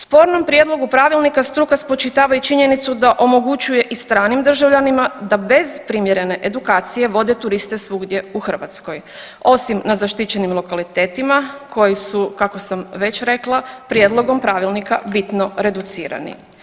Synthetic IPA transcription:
spo̞ɾno̞mpɾjed̪lo̞ɡupɾaːʋilˠnikast̪ɾukaspo̞t͡ʃit̪aːʋait͡ʃiɲe̞nit̪sud̪aʔo̞mo̞ɡut͡ʃuje̞ʔist̪ɾaːnimd̪r̩ʒaʋʎanimad̪abe̞zpɾimje̞ɾe̞ne̞ʔed̪ukaːt̪sije̞ʋo̞d̪e̞t̪uɾist̪e̞sʋuɡd̪je̞uxr̩ʋa̰t̪sko̞j | o̞simnazaʃt̪it͡ɕe̞nimlˠo̞kalit̪e̞ːt̪imakʰo̞jisukako̞samʋe̞t͡ɕɾe̞klˠapɾjed̪lˠo̞ɡo̞mpɾaːʋilnika̰bit̪no̞ɾe̞d̪ut̪sḭːɾa̰nḭ

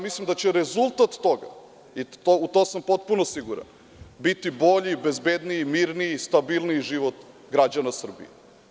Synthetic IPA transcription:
amislimd̪at͡ɕeɾezulˠt̪at̪ːo̞ɡa̰ | iout̪osampo̞t̪punosiɡuɾa̰n | bit̪ibo̞ʎibezbe̞d̪nimiɾniist̪abilˠniʒiʋot̪ | ɡɾad͡ʑanasr̩bḭje

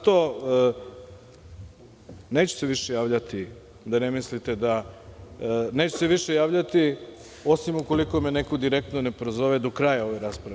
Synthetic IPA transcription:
t̪o | neːt͡ɕu̥se̞ʋiʃejaːʋʎat̪i | d̪anemislit̪e̞d̪a | neːt͡ɕu̥seʋiʃejaːʋʎat̪i | o̞simuko̞liko̞menekod̪iɾek̚t̪none̞pɾozo̞ʋed̪o̞kɾajao̞ʋeɾaspɾaʋe

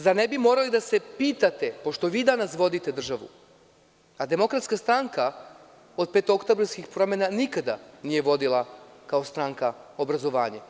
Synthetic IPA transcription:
zanebimo̞ːɾalid̪ase̞piːt̪at̪e̞po̞ʃt̪o̞ʋiːd̪anasʋo̞d̪it̪e̞d̪r̩ʒaʋṵ | ad̪e̞mo̞kɾat̪skast̪ɾaŋka | o̞d̪̚pe̞ːt̪ookt̪obɾaskixpɾo̞menanikad̪aniːje̞ʋo̞d̪ilˠakao̞st̪ɾaŋkao̞bɾazo̞ʋaːɲe

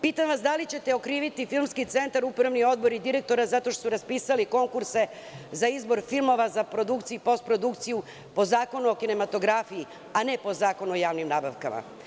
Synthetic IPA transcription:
pit̪amʋasd̪alit͡ɕe̞t̪e̞o̞kɾiːʋit̪ifilˠmskit̪se̞nt̪aɾupɾaʋnio̞d̪̚bo̞ɾid̪iɾe̞k̚t̪o̞ɾazat̪o̞ʃt̪osuɾaspiːsaliko̞ŋkuɾse̞ | zaizbo̞ɾfilˠmo̞ʋazapɾo̞d̪ukt̪sijupo̞st̪̚pɾo̞d̪ukt̪siju | po̞zaːko̞nuo̞kine̞mat̪o̞ɡɾaːfiji | ane̞po̞zaːko̞nuo̞jaːʋnimnaːbaʋkama̰

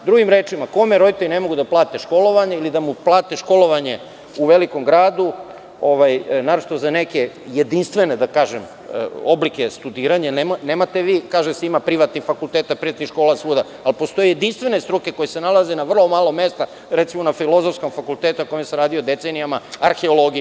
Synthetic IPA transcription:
d̪ɾuɡimɾeːt͡ʃimako̞meɾo̞d̪it̪eɾinemo̞ɡud̪aplˠaːt̪eʃko̞lo̞ʋaɲeilid̪amuplˠaːt̪eʃko̞lo̞ʋaɲe̞ | uʋeliko̞mɡɾaːd̪u | o̞ʋajnaɾot͡ʃi̥t̪ozaneke | jed̪inst̪ʋe̞ned̪akaːʒem̰ | o̞blike̞st̪ud̪iːɾaɲanemneːmat̪eʋiːkaːʒesimapɾiʋat̪nifakulˠt̪eːt̪apɾiʋat̪nixʃkoːlasʋuːd̪a | alpo̞st̪o̞jejed̪inst̪ʋe̞nest̪ɾuke̞ko̞jesenalaze̞naʋr̩lˠo̞maːlˠo̞me̞st̪a | ɾet̪simo̞nafilo̞zofsko̞mfakulˠt̪et̪uakojimeseɾaːd̪iod̪e̞t̪senijamaaɾxe̞olo̞ɡi

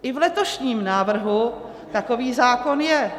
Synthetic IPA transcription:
ʔɪvlɛt̪o̞ʃɲiːmnaːvr̩ɦu | t̪ako̞viːzaːkonjɛ

